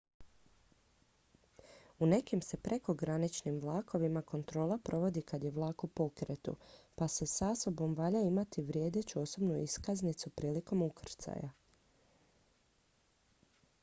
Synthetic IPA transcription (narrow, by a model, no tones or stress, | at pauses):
une̞kimse̞pɾʔe̞ko̞ɡɾanit͡ʃnimʋlˠaːko̞ʋimako̞nt̪ɾo̞ːlˠapɾʔo̞ʋo̞d̪ikad̪je̞ʋlˠaːkupo̞kɾe̞t̪ṵpase̞saso̞bo̞mʋaʎaimat̪iʋɾje̞ːd̪e̞t͡ɕuo̞so̞bnuḭskaznit̪supɾiːliko̞mukr̩t̪sa̰ja̰